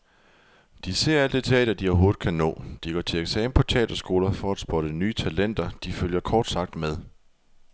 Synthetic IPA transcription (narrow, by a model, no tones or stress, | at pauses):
d̥ise̝ɐ̰æl̰d̥it͡sʰɛ̰ːd̥ɐd̥iɒɦo̝ːð̩ˠkʰænɔ̰̽ːd̥iɡ̥ɒ̰ːt͡sʰe̝leɡ̥sɛːm̩pʰɒ̽t͡sʰɛ̰ːd̥ɐsɡ̥o̝ːlɐfɒ̽æd̥sb̥ɒ̽ɾ̥ənyːt͡sʰælen̰d̥ɐd̥iføljɐkʰɒːd̥sɑ̈ɡ̥̚d̥með̞ˠ